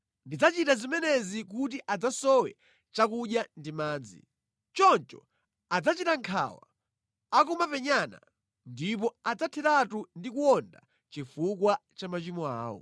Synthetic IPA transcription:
ndid͡zat͡ʃitazimɛnɛzik̬utiʔad͡zasɔwɛ | t͡ʃakuɗjandimaːd͡zḭ | t͡ʃɔnt͡ʃɔ̰ | ad͡zat͡ʃitaŋkʰa̰wa̰ | ak̬umapɛɲana̰ | ndip̬ɔad͡zatʰɛtatundikuɔnda̰ | t͡ʃifukwat͡ʃamat͡ʃimɔa̰ːwɔ̰

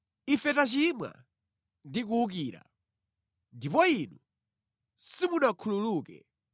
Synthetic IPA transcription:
ifɛtat͡ʃimwa̰ | ndik̬uuk̬iːɾa̰ | ndipɔinu | simunakʰululuːkɛ̰

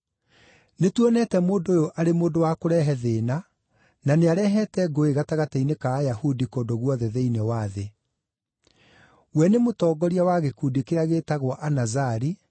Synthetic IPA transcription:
netwɔnɛtɛmoːndoːjoʔaɾemoːndowakoɾɛɦɛðeːna | naneaɾɛɦɛtɛɡoeɣataɣatainekaːjahudikoːndoɣwɔðɛðɛinewaðe | wɛnemotɔːɡɔɾiawaɣekuːdikeɾaɣeːtaɣwɔʔanazaɾi

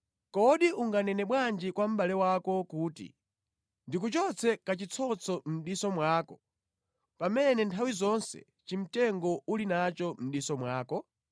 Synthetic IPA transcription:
kɔɗiʔuŋɡanɛnɛɓwand͡ʒikwam̩ɓalɛwakɔkuːtḭ | ndik̬ut͡ʃɔt͡sʰɛkat͡ʃit͡sʰɔt͡sʰɔm̩ɗisɔmwaːkɔ | pamɛnɛntʰawizɔnsɛ̰ | t͡ʃim̩tɛŋɡɔʔulinat͡ʃɔm̩ɗisɔmwaːkɔ

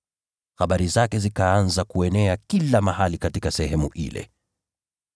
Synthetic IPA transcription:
xaɓaɾizakɛzikaanzakuɛnɛakilamahalikatikasɛɦɛmuʔḭlɛ̰

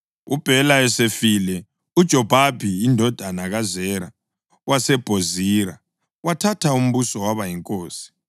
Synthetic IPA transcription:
ṵb̥ʱɛlaɛsefilɛ | ud̥ʒ̥ʱɔb̥ʱab̥ʱiːndʱɔd̥ʱanaɣazɛɾa | wasɛb̥ʱoziːɾa | watʰatʰaum̩βusɔwaβajiŋkʼoːsi̥

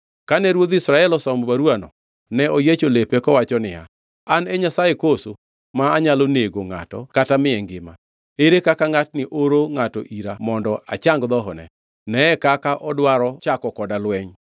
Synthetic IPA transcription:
kanɛɾwod̪isɾaɛlɔsɔmbaɾuanɔ̰ | nɛojet͡ʃolepekɔwat͡ʃɔnɪa̰ | anɛɲasaekoso | maːɲaloneɡoŋa̰tɔkatamɪɛŋɡɪma̰ | eɾekakaŋatnɪʔoɾoŋatɔ̰ʔiɾamɔndɔʔa̰t͡ʃaŋɡd̪ɔɦɔnɛ̰ | nɛɛkakaʔɔdwaɾɔt͡ʃakɔkɔdalwɛɲ

